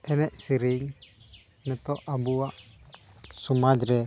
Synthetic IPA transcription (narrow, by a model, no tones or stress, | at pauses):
ɛnɛʔsiɾiŋ | nɛt̪ɔʔabuaʔ | sumad͡ʒɾɛ